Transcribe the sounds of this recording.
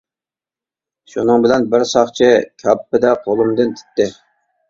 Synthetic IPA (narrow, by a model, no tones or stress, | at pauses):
ʃunɨŋbɪlɛnbɪɾsɑχt͡ʃʰɪkʲʰɑpːɪd̪ɛqʰolˠumd̪ɨnt̪ʰɪ̥t̪ːɪ